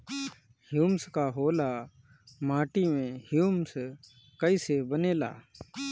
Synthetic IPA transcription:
hjuːmskaːɦoːlaː | maːʈiːmẽːhjuːms | kəiːseːbəneːla̰ː

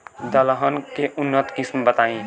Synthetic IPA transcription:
d̪əlɦənkeʔʊnːət̪kismbət̪aĩ

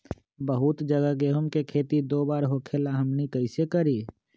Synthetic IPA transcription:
bəɦʊt̪d͡ʒəɡəɡeːɦəmkekʰeːt̪id̪oːbaːɾɦoːkʰelaɦəmnikəɪsekəɾiː

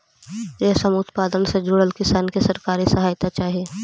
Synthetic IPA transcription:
jeːsəmʊt̪paːd̪ənsed͡ʒʊɽəlkɪsaːnkɪsɐɾkaːɾisɐɦaːjt̪at͡ʃaːɦieː

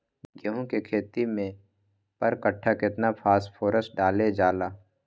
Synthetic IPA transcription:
ɡəɦõkekʰeːt̪imẽ | pəɾkəʈʰːakɪt̪napʰaːspʰoːɾəs̚ɖaːled͡ʒaːlaː

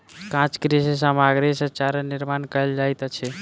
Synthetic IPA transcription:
kãt͡ʃkɾeses̬amaɡɾesət͡ʃaɾəniɾmankəjld͡ʒajt̪t͡ʃʰɛ

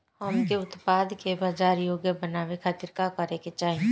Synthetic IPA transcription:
həmkeʊt̪paːd̪kebaːd͡ʒaːɾjoːɡjəbənaːʋekʰaːt̪ɪɾkakəɾeket͡ʃaːɦi

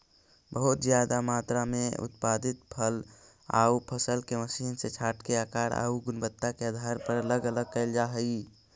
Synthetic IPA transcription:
bəɦut̪zjad̪amat̪ɾameṵt̪pad̪it̪̚pʰəl | a̰upʰəsəlkeməsinset͡ʃʰaʈkeakaɾa̰ːuɡʊnbət̪ːakead̪ʱaɾpəɾələɡələɡ̚kəɪld͡ʒaɦəi

